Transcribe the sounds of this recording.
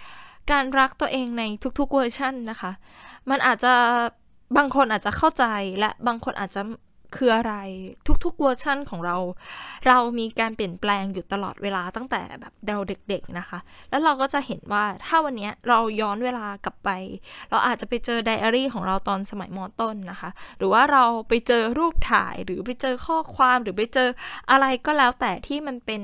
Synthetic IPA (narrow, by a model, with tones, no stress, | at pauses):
kaː˧nɾa˦˥k̚t̪u˧ɐʔeː˧ŋna˧jt̪ʰu˦˥k̚t̪ʰu˦˥k̚wɤː˧t͡ɕʰa˥˩nːa˦˥kʰa˦˥ʔ | ma˧nʔaː˨˩t̪̚t͡ɕa˨˩ | baː˧ŋkʰo˧nʔaː˨˩t̪̚t͡ɕa˨˩kʰa˥˩wt͡ɕa˧jlɛ˦˥baː˧ŋkʰo˧nʔaː˨˩t̪̚t͡ɕa˨˩ | kʰɯː˧ʔa˧ɾa˧jt̪ʰu˦˥k̚t̪ʰu˦˥k̚wɤː˧t͡ɕʰa˥˩nkʰɔː˩˦ŋɾa˧wɾa˧wmiː˧kaː˧npi˨˩˦ənplɛː˧ŋjuː˨˩t̪a˧lɔ̰˨˩t̪̚wʔeː˧laː˧t̪a˥˩ŋt̪ɛ̰ː˨˩bɛ̰ː˨˩p̚dɛ˧wde˨˩k̚de˨˩k̚na˦˥xʰa˦˥ | lɛ˦˥wɾa˧wkɔː˥˩t͡ɕa˨˩ʔhe˩˦nwaː˥˩t̪ʰaː˥˩wa˧nːi˦˥ɐɾa˧wjɔː˦˥nweː˧laː˧ka˨˩pːa˧jɾa˧wʔaː˨˩t̪̚t͡ɕa˨˩pa˧jt͡ɕɤː˧da˧jʔaː˧ɾiː˥˩kʰɔː˩˦ŋɾa˧wt̪ɔː˧nsa˧ma˩˦jmɔː˧t̪o˥˩nːa˦˥xʰa˦˥ɾɯː˩˦waː˥˩ɾa˧wpa˧jt͡ɕɤː˧ɾuː˥˩p̚t̪ʰa̰ː˨˩˦jɾɯː˩˦p̬a˧jt͡ɕɤː˧kʰɔː˥˩kʰwaː˧mɾɯː˩˦pa˧jt͡ɕɤː˧ʔa˧ɾa˧jkɔː˥˩lɛː˦˥wt̪ɛː˨˩t̪ʰiː˥˩ma˧npe˧n